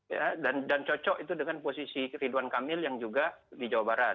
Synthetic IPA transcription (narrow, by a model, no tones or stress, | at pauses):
jadandant͡ʃɔt͡ʃɔʔit̪̬udəŋanposisiriduankamɪljaŋd͡ʒuɡadid͡ʒawabaɾa